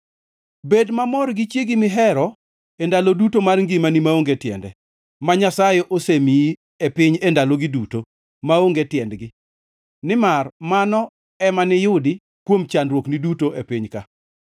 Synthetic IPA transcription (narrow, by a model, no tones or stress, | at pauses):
bedmamɔrɡɪt͡ʃjeɡɪmɪɦɛɾɔ | endalodutomarŋɡɪmanimaoŋɡetjɛ̰ndɛ | maɲasajeʔosemii | epɪɲendaloɡiduto | maoŋɡetjɛndɡɪ | nɪmarmanɔ | ɛmanɪjʊdɪ | kwomt͡ʃanɾwoknidutoʔepɪɲka